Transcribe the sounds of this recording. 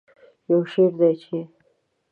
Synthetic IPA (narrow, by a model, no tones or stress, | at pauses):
jawʃeɾd̪ajt͡ʃʰe